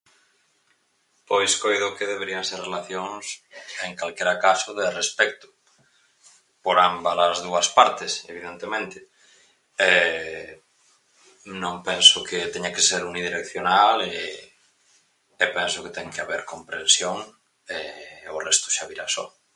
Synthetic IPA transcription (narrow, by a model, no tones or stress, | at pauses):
pojskojðokeðeβeɾiaŋseɾrelaθjoŋseŋkalkeɾakasʊðerespɛk̚t̪ʊ̥ | poɾambalazðuɐspaɾt̪ɪsḛβiðent̪emẽnt̪ɪ | ɛ | nõŋpɛnsʊket̪ɛɲakeseɾuniðiɾekθjonale | pɛnsʊket̪ɛŋkeaβeɾkompɾensjoŋ | ɛorɛst̪ʊ̥ʃaβiɾasɔ̰